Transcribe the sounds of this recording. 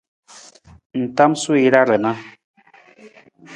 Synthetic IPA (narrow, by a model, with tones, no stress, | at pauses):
n̩˨ta˦msu˦i˨ɾa˦ɾə˨na˦